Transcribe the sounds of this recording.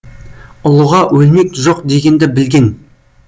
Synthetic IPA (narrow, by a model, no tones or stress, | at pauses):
ʊlˠəʁɑwɵlme̞kʒoqd̪e̞ɡʲe̞nd̪ɪbɪlɡʲe̞n